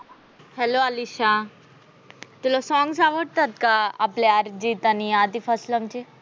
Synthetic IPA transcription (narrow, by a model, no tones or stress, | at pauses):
hɛloaliɕa | t̪ilɔsɔŋɡsaʋəɽt̪at̪̚kaa̰pleaɾd͡ʑit̪aniad̪ifʰəslamt͡ɕe